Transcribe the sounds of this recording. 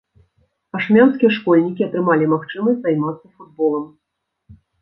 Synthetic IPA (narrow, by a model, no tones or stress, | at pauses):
ɐʂmʲanskʲijɛʂkɔlʲnʲikʲiɐt̪ɾɨmalʲimaxt͡ʂɨmɐsʲtʲzajmat̪sɐfud̪̚bɔlˠɐm